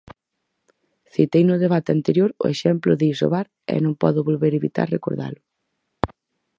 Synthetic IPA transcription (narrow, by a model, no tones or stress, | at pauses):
θit̪ejnʊðeβ̞at̪eant̪eɾjoɾʊ̰eʃɛmplʊðiiso̰βaɾ | ɛ̰nõŋpɔðʊβolβeɾeβit̪a̰ɾrekoɾða̰lʊ